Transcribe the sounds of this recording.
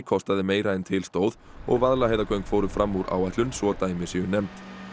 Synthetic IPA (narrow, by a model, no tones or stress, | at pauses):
kʰɔst̪aðɪmeːjɾaɛnt̪ʰɪlst̪oːwð | ɔ̰ɣvaðlaheːjðakʰœɥŋkfoːwɾʏmfɾamːuɾʔa̰ːwaht̪lʏnsvɔt̪aːjmɪ̥sjɛɣʏnɛmt̪